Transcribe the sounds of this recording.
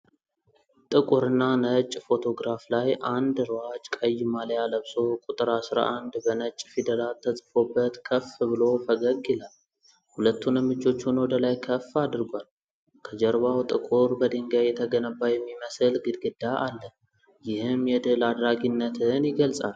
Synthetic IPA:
t̪ʼɨkʼuɾɨnːanət͡ʃʼfo̞t̪ʰo̞ɡɾaflajʔand̪ɾwat͡ʃʼkʼəjːmaljaləβso̞kʼut̪ʼɨɾasɾa̰ʔand̪bənət͡ʃʼfid̪əlalt̪ʰːəsʼfo̞bːət̪kʰəfbɨlo̞fəɡəɡɛlal | hulət̪ʰːunəmːɨt͡ʃʼːo̞t͡ʃːunwɔd̪əlajkʰəfːad̪ɨɾɡʷal | kʰəd͡ʒəɾbawt̪ʼɨkʼuɾbəd̪eŋɡajɛt̪ʰəɡənəbːajɛmːiməsɨlɡɨd̪ɡɨd̪aʔalːə | jɪhɨmjɛd̪ɨlad̪ɾaɡinːət̪ʰɨnjɪɡəlsʼal

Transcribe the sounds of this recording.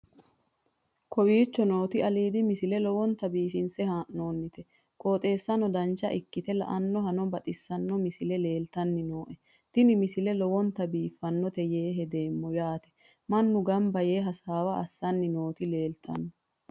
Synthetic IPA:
kʰɔwiːt͡ʃːɔno̞ːt̪ɪɐliːd̪ɪmɪsɪlɛlɔwɔnt̪ɐbiːfɪnsɛhaːʔnoːnːɪt̪ɛ | kʼoːt̪ʼe̞ːsːɐnɔd̪ɐnt͡ʃːɐ̰ʔɪkːɪt̪ɛlɐ̰ʔɐnːɔɦɐnɔbɐt̪ʼɪsːɐnːɔmɪsɪlɛle̞ːlt̪ɐnːɪnoːʔɛ | t̪ɪnɪmɪsɪlɛlɔwɔnt̪ɐbiːfːɐnːɔt̪ɛjeːɦɛd̪e̞ːmːɔjaːt̪ɛ̥ | mɐnːʊɡɐmbɐjeːɦɐsaːwɐʔɐsːɐnːɪno̞ːt̪ɪle̞ːlt̪ʰɐ̰nːɔ

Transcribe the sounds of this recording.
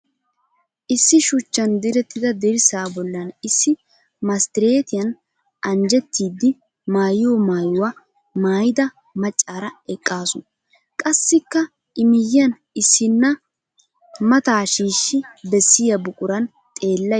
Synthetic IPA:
ʔɪsːɪʃʊt͡ʃːɐnd̪ɪɾɛt̪ːɪd̪ɐd̪ɛɾɪsaːbɔlːɐnɪsːɪ | mɐst̪ɪɾeːt̪ɪjɐn | ʔɐnd͡ʒɛt̪ːiːd̪ːɪ | maːjoːmaːjʊwɐ | maːjɪd̪ɐ | mɐt͡ʃʼːaːɾɐɛkʼːaːsʊn | kʼɐsːɪkːɐ | ɪmɪjɪɐn | ɪsːɪnːɐ | mɐt̪aːʃiːʃːɪbɛsːɪjɐbʊkʼʊɾɐn | t̪ʼe̞ːlːɐ

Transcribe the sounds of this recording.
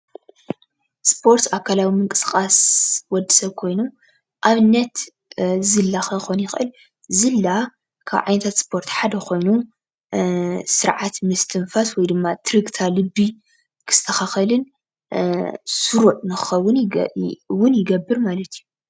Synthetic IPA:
spʰo̞ɾt̪sakʰːalawimɨŋkʼɨ̥skʼaswɔd̪ːi̥sɐβkʰo̞jnum | ʔaβɨnːɐt̪ | zɨlːaxɐxonjɪxʔɨl | zɨlːa | kʰa̰βʕa̰jnɐt̪ʰat̪spʰo̞ɾt̪ħad̪ɐkʰo̞jnu | sɨɾʕat̪mɨst̪ʰɨnfaswɔjd̪ɨmːat̪ʰɾiɡt̪ʰalɨbːi | kʰɨ̥st̪ʰɐxaxɐlɨn | sɨɾuʔnɨxɨxɐwːʊn | wʊnjɪɡɐbːɨɾmalɐt̪ʰiju

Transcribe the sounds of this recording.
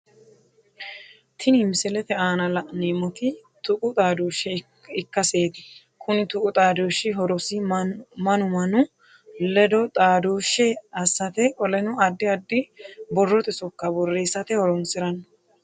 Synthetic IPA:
t̪ʰɪnimsɛlɛt̪ɛaːnɐlɐneːmɔt̪ɪ | t̪ʊkʼʊt̪ʼaːd̪oːʃːɛ | ɪkːɐseːd̪ɪ | kʰʊnɪt̪ʊkʼʊt̪ʼaːd̪oːʃːɪɦɔɾɔsɪmɐnʊmɐnʊ | lɛd̪ɔt̪ʼaːd̪oːʃːɛɐsːɐt̪ɛkʼɔlɛnʊɐd̪ːɪɐd̪ːɪbɔrːɔt̪ɛsɔkːɐbɔrːeːsːɐt̪ɛhɔɾɔnsɪɾɐn

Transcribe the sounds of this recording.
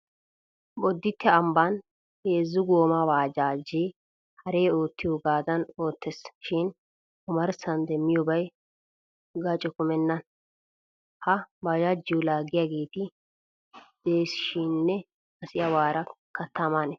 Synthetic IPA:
bɔd̪ːɪt̪ːɛɐmban | heːzːʊɡoːmɐwaːd͡ʒaːd͡ʒe | hɐɾe̞ːoːt̪ːɪjɔɡaːzɐno̞ːt̪ːɛsʃɪn | ʊmɐɾsɐnd̪ɛmːɪjɔbɐj | ɡɐt͡ʃʼɛkʊmɛnːɐn | hɐbad͡ʒaːd͡ʒːɪjʊlaːɡɪjaːɡe̞ːt̪ɪ | d̪̥e̞ːsɪ̥ʃinːɛ | ɐsɪjɐwaːɾɐkɐt̪ːɐmanɛ

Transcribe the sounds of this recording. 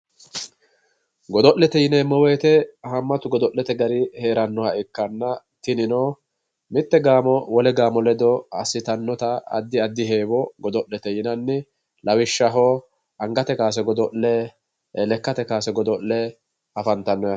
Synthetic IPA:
ɡɔd̪ɔʔlːɛt̪ɛjɪnɛːmɔweːt̪ɛhɐmːɐt̪ʊɡɔd̪ɔʔːɛt̪ɛɡɐɾɪhe̞ːɾɐnːɔhɐɛkːɐnːɐ | t̪ɪnɪno | mɪt̪ːɛɡaːmɔwɔlɛɡaːmɔlɛd̪ɔɐsːɪt̪ɐnːɔt̪ɐ̰ːd̪ːɪɐd̪ːɪɦeːwɔɡɔd̪ɔʔːɛt̪ɛjɪnɐnːɪ | lɐwɪʃːɐɦɔ | ɐŋɡɐt̪ɛkaːs̬ɛɡɔd̪ɔʔɛ | lɛkːɐt̪ɛkaːsɛɡɔd̪ɔʔɛ | ɐfɐnt̪ɐnːɔjɐ

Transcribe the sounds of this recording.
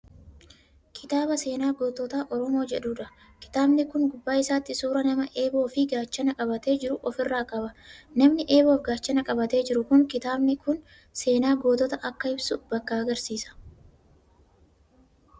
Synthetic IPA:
kʰɪ̥t̪aːbɐse̞ːnaːɡoːt̪ɔt̪aːʔɔɾɔmo̞ːd͡ʒɛᶑuːᶑɐ | kɪ̥t̪aːbnɪkʊŋɡʊbːaːɪsaːt̪ːɪsuːɾɐnɐmɐʔe̞ːbo̞ːfɪɡaːt͡ʃːɐnɐkʼɐbɐt̪e̞ːd͡ʒɪɾʊʔɔfɪrːaːkʼɐbɐnɐmnɪʔe̞ːbo̞ːfɡaːt͡ʃːɐnɐkʼɐbɐt̪e̞ːd͡ʒɪɾʊkʊŋkɪt̪aːbnɪkʊn | se̞ːnaːɡo̞ːt̪ɔt̪ɐʔɐkːɐɪbsʊbɐkːɐɐɡɐɾsiːsɐ̥

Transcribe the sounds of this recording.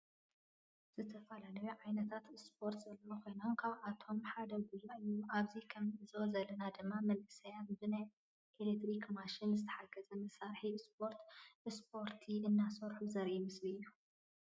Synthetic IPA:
z̥ɨt̪ʰɐfɐlalɐjuʕajnɐt̪ʰat̪spʰo̞ɾt̪zɐlːɐokʰo̞jnonkʰaβʔat̪ʰo̞mħad̪ɐɡuzuʔɨjːuʔaβzikʰɐmɨzo̞zɐlːɐnad̪ɨmːamɐlʔɨsɐjanbɨnaj | ʔelek̚t̪ɾikmaʃinzɨt̪ʰɐ̥ħaɡɐzɐmɐsaɾħispʰo̞ɾt̪ʔspʰo̞ɾt̪ʰiɨnːasɐɾħuzɐɾʔimɨslɨɨjːu

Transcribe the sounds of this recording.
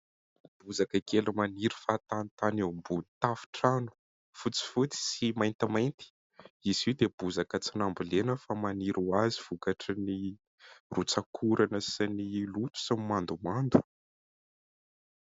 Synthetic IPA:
b̥uzakəkelumaniɾu̥fat̪ant̪anembunit̪afi̥ʈ͡ʂanu̥ | fut͡si̥fut͡si̥simajnt̪imajnt̪i̥ | iziwd̪eb̥uzakət͡sinambilenəfamaniɾuaziv̥ukaʈ͡ʂəni | rut͡sakʰuɾanəsinilut̪u̥samimand̪umand̪u̥

